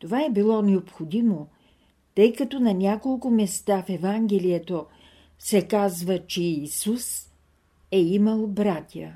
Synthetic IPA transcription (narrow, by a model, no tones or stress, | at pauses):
t̪ovaɛbilˠɔnɛopxod̪imo | t̪əjkɐt̪onɐnʲakolˠkʊmɛst̪afɛvaŋɡɛlijɛt̪o | sɛkazvət͡ʃɛisus | ɛiməlˠbɾat̪ʲjə̰